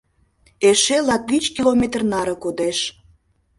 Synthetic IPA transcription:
eʃelɑt̪̚it͡ɕkilomet̪rnɑɾə̆kod̪eʃ

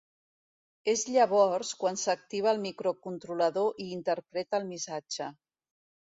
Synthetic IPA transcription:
ezʎəβ̞ɔrskwansək̚t̪iβ̞əːlˠmikɾokunt̪ɾuləðoʔiːnt̪əɾpɾɛt̪əːlˠmisad͡ʒə

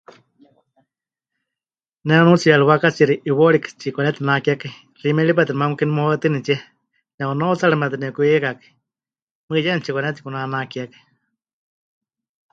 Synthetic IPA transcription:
nɛnut͡sijaɺiwakat͡siɾiʔiwoɺikɨ̥t͡ʃikʷanɛt̪inakiaka | rimɛɺip̬at̪iɾmamukinimohat̪ɨnit͡ʃiɛ | nɛonot͡saɺamɛt̪inɛkuikakɨ̥ | mɨjɛnt͡ʃikʷanɛt̪ikunanakiakḁ

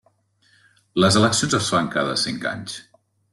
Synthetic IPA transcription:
ləzələksionzəsfaŋkaðəsiŋka̰ɲs

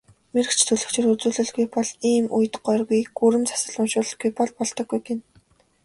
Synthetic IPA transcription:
meɾɘ̆kt͡ɕʰt̪ʰɵɮɵ̆kt͡ɕʰĕrut͡suːɮɘ̆ɮɣujpɔɮiːmuj̆t̪ɢɔrɣujɡuɾɘ̆mt͡sʰḁsə̆ɮʊmʃʊːɮ̆ɡujpɔɮpɔɮt̪ɞ̆ɡːujɡen

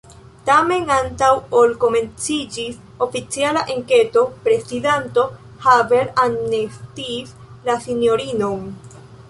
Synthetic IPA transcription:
tame̞nantawolko̞me̞nt͡sid͡ʒis | o̞fit͡sialaʔeŋke̞to̞pɾe̞sidento̞ | have̞ɾannestis | lasinjo̞ɾino̞n

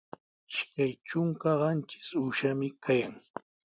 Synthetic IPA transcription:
ɪʃkajt͡ʃʊŋkaɢɑnt͡ʃɪ̥sʊʃamɪkʰajaŋ

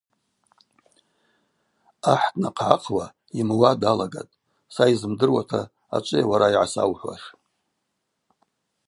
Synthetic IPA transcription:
aħdnaqʰʕaqʰwa | imwadalaɡa̰tʼ | saizɨmdɨrwatʰa | a̰t͡ʃʷʼɨjawaɾaiʕasa̰wħʷwa̰ʂ

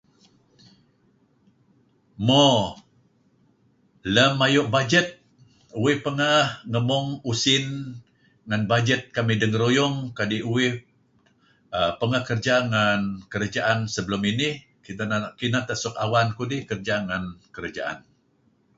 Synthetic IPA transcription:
mo | ləmːajʊʔbad͡ʒət̪̚ | uwɪhpəŋahŋəmɔŋusɪn | ŋanbad͡ʒət̪̚kamidəŋəɾojʊŋkadiʔuwɪh | əpəŋahkərd͡ʒaŋankəɾad͡ʒaʔansəbəlʊminɪh | kikinat̪aʔsʊkawankudɪhkərd͡ʒaŋankəɾad͡ʒa̰ʔa̰n

